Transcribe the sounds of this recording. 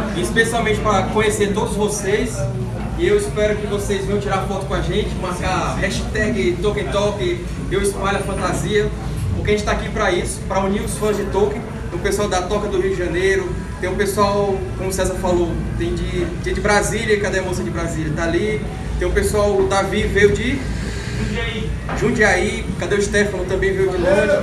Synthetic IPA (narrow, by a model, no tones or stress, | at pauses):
iispesiawmẽnt͡ʃɪpɾɐkõɲeseɾt̪od̪ʊzʊzvosejs | ɪewispɛɾʊkɪvosejzvẽj̃ɐ̃t͡ʃiɾaɾfɔt̪ʊkõaʒẽt͡ʃɪmaɾkaɦɛʃt̪ɛɡɪt̪okɪt̪ɔkɪ | ewispajlɐfɐ̃nt̪aziɐ | pʊkɪɐʒẽt͡ʃɪt̪akipɾɐisʊ̥pɾɐũniɾʊsfɐ̃zd͡ʒɪt̪okɪ | t̪ẽj̃ũpesuawd̪at̪ɔkɐd̪ʊɦiud͡ʒɪʒɐ̃nejɾʊ | t̪ẽj̃ũpesuawkõmʊsɛzɐfalot̪ẽj̃d͡ʒɪt̪ẽd͡ʒɪbɾaziljɐikad̪ɛmosɐ̃d͡ʒɪbɾaziljɐt̪aːli | t̪ẽj̃ũpesuawd̪avivejʊd͡ʒɪ̃ | d͡ʒ | i | ʒũd͡ʒiai | kad̪ɛwiʃt̪ɛfɐ̃nʊt̪ɐ̃mbẽj̃vejʊd͡ʒɪlɔɾɐ